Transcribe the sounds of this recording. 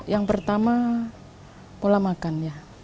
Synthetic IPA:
jaŋpərt̪ama | polamakanja

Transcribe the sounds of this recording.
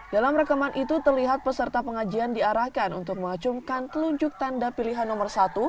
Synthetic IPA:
dalamrakamanʔit̪ut̪ərliɦat̪̚pəsərt̪apəŋad͡ʒiandiaɾahkanṵnt̪ʊk̚məŋat͡ʃumkankəluɲd͡ʒʊk̚t̪andapiliɦanːɔmərsat̪u

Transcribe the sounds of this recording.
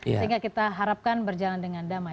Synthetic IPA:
əɦiŋɡakit̪aɦaɾap̚kanbərd͡ʒalandəŋandama

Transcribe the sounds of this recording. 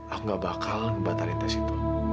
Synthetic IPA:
akŋɡabakalnbat̪alint̪asit̪u

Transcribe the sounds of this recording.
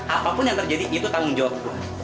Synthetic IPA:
ʔapapʊnjaŋt̪ərd͡ʒadiʔit̪ut̪aʊŋd͡ʒawap̚kʊ

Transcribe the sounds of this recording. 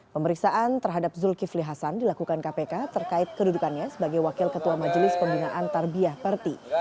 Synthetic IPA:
pəməɾiksaʔant̪ərɦadap̚zulkifliɦasandilakukankapekat̪ərkaɪt̪̚kədudukanɲasəbaɡajwakɪlkət̪uamad͡ʒlɪspəmbinaʔant̪arbiahpərt̪i

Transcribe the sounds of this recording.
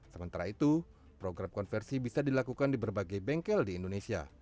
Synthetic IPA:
səmənt̪aɾait̪u | pɾoɡɾamkɔnfɛrsibisadilakukandibərbaɡajbɛŋkɛldiːndonesia̰

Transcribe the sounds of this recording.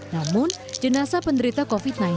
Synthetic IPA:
namʊn | d͡ʒənasapənd̪əɾit̪akofit̪̚nan

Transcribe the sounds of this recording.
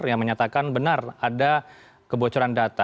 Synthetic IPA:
jaŋməɲat̪akanbənarada | kəbot͡ʃɔɾandat̪a

